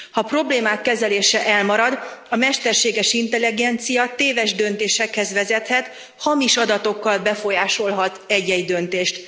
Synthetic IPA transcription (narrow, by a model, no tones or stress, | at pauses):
hɒpro̞bleːmaːkːɛzɛleːʃɛʔɛlmɒɾɒd̪ɒmɛʃt̪ɛrʃeːɡɛʃint̪ɛliɡɛnt̪sijɒt̪eːvɛʒd̪ø̞nt̪eːʃɛkhɛzʋɛzɛt̪hɛt̪ | hɒmiʃɒd̪ɒt̪o̞kːɒlbɛfo̞jaːʃo̞lɦɒt̪ɛɟɛɟd̪ø̞nt̪eːʃt̪